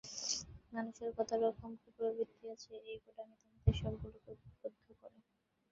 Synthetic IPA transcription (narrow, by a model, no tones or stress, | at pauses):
manuʃeɾkɔt̪ʰaɾɔkʰomkipoɾbit̪ːiat͡ɕʰeejkoʈamit̪amat̪eʃɔbɡulokebod̪ʱːokɔɾe